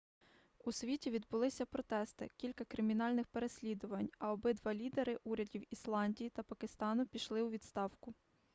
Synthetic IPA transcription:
usʲʋʲitʲiʋʲid̪bʊlˠɪsʲɐpɾɔt̪ɛst̪ɪ̰kʲilʲkɐkɾɪmʲinɑlʲnɪxpe̞ɾe̞sʲlʲid̪ʊʋɐnʲɐɔbɪd̪ʋɑlʲid̪eɾɪʔuɾʲɐdʲiwislˠɑnʲdʲijit̪ɐpɐkɪst̪ɑnʊpʲiʃlˠɪwʋʲid̪st̪ɑwkʊ

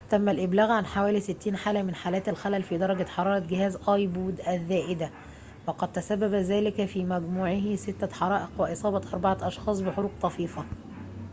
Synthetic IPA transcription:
t̪æmːælʔɪblæːɣʕanħawæːlisɪt̪ːiːnħaːlæmɪnħaːlæːt̪ælxælælfiːd̪ɑɾˤɑɡæħɑɾˤɑːɾˤɑɡɪhæːzʔɑjbuːd̪ʔæðːæːʔɪd̪æ | wɑqɑd̪̚t̪æsæbːæbæzæːlɪkfiːmæɡmuːʕɪɦsɪt̪ːæħɑɾˤɑːʔeqweʔesˤɑːbɑt̪ʔɑɾˤbɑʕɑʔɑʃxɑːsˤbɪħoɾuːqt̪ˤɑfiːfɑ

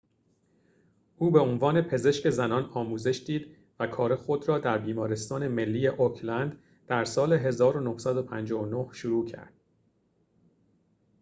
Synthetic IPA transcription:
ʔuːbe̞onvɒːne̞pʰe̞ze̞ʃce̞zænɒːnɒːmuːze̞ʃd̪iːd̪ | vækʰɒːɾe̞xo̞d̪ɾɒːd̪æɾbiːmɒːɾe̞st̪ɒːne̞me̞lːiːjeʔokʰlænd̪ | d̪̥æɾsɒːle̞ɦe̞zɒːɾonohsæd̪opʰænd͡ʒɒːonohʃuɾuːcʰæ̰ɾd̪̥

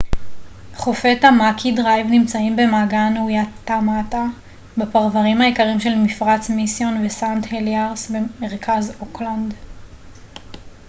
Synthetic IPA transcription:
χofetamakʰidʁajvnimt͡saimbe̞maːɡaneujatːamata | bepaʁvaʁimhaikaʁimʃe̞lmifʁat͡smisjo̞nvesantheliaʁsbeme̞ʁkʰazokland

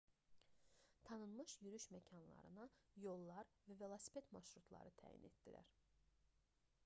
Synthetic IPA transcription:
t̪ʰɑnɯnmɯʃjyɾyʃmæcʰɑnlˠɑ̰ɾɯnɯjo̞lˠːɑɾvæve̞lˠosi̥pʰet̪mɑʃɾut̪ʰlˠɑ̰ɾɯt̪ʰæ̰ːjḭnḛt̪̚d̪̥iɾæ̰ɾ

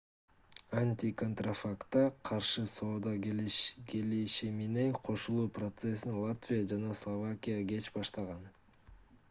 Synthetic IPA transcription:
anʲt̪ʲiko̞nt̪rafakt̪ːɑqʰɑɾʃɯso̞ːd̪ɑkeliʃimine̞ŋqʰo̞ʃulˠuːprot̪se̞sinlˠat̪vʲijad͡ʒɑnɑslˠovakʲijaɡe̞t͡ʃbɑʃt̪ɑʁɑn

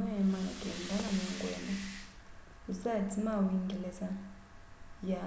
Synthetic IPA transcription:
ɛmaɡɛndʱaanɛŋkʼwɛːma | usatʰimawiŋɡɛlɛsa | ja

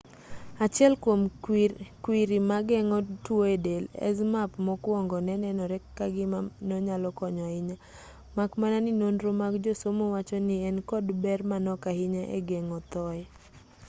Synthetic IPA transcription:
at͡ʃjɛlkwom | kwiɾimaɡɛŋɔtwoedelɛ̰zmapmɔkwɔŋɡɔnɛnɛnɔɾɛkːaɡɪmanɔɲalɔkɔɲɔɪɲa | makmananɪnonɾomakd͡ʒosomowat͡ʃɔnɪɛnkɔdbɛrmanɔkahɪɲaʔḛɡɛŋɔt̪ɔɛ

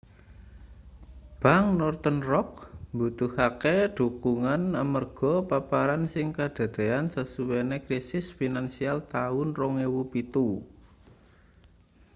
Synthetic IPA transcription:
b̥a̤ŋnɔrt̪ənrɔk̚mbut̪uhakeɖ̪̥ṳkuŋanəmərɡ̥ɔ̤papaɾansɪŋkad̪̥ä̤d̪̥e̤ansəsuwenekɾisɪsfinansialt̪aʊnrɔŋewupit̪u

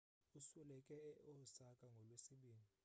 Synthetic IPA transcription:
uswɛlɛkʼɛɛʔɔsakʼaŋɡʱɔlwesiɓiːni

